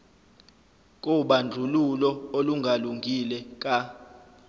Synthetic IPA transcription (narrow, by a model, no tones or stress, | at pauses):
k̬ʼuɓand͡ɮʱululɔoluŋɡʱaluŋɡʱilɛk̬ʼa